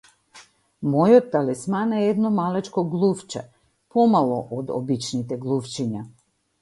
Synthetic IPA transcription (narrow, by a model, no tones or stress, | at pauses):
mɔjɔt̪ːalɛsmanɛɛd̪nɔmalɛt͡ʃkɔɡlˠuft͡ʃɛ̰ | pɔmalˠɔʔod̪ɔ̰bit͡ʃnit̪ɛɡlˠuft͡ʃiɲa